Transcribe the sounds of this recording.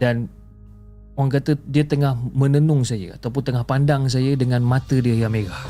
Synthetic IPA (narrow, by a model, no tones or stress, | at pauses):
dan | oaŋk̬at̪ədiat̪əŋahmənənʊŋsajə̰a̰t̪awp̬ʊnt̪əŋahpandaŋs̬ajədəŋanmat̪ədiajameɡa